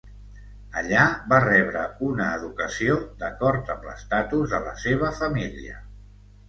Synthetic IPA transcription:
əʎaβarɛβ̞ɾəunəːðukəsiod̪əkɔɾt̪əmlə̰st̪at̪uzðələ̰seβ̞əfəmiliə̰

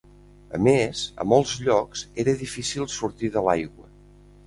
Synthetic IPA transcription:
ə̰mezə̰mɔlˠzʎɔkzeɾəðifisilˠsuɾt̪iðəlajɣwə

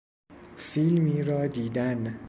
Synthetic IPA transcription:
filmiːɾɒːd̪iːd̪æn

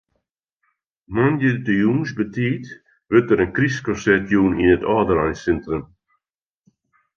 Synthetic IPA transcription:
nɔnjədəjuːnsbətiːt | ʋøtəɾənkriskɔsɛtʰjuːninətɔːdəɾajnsɪntrən

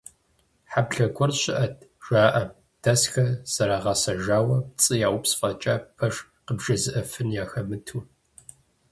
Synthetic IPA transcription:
ħabɬɐɡʷʰɔrɕɪʔɐt̚ʰʒ̥aːʔɐm | d̥ɐsxɐz̥ɐɾaːʁɑsɐʒaːwɐt͡sʼɨjaːwʊpsfɐt͡ʃʼaːpʰɐʂ | qəbʒɐzɨʔɐfɨnjaːxɐmɨtʰuː

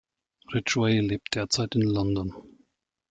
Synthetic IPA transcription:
ʁɪt͡ʃweɪleːp̚t̚d̥eːɐt͡saɪtɪnlɔndɔn

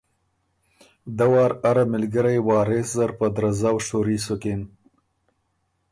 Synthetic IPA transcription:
d̪awɑːɾaɾamɪlɡəɾajwɑːɾeszaɾpəd̪ɾazawʃoɾisokɪn

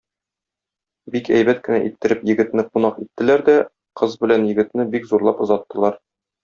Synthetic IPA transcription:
bikæ̰jbæt̪̚kɘ̆næ̰ʔit̪ːɘ̆ɾɘpjɘ̆ɡɘ̆t̪nɘqunɑqit̪ːɘ̆læɾd̪æ | qɤzbɘ̆lænjɘ̆ɡɘ̆t̪nɘbikzuɾlˠɑpŏzɑt̪ːɤ̆lˠɑɾ

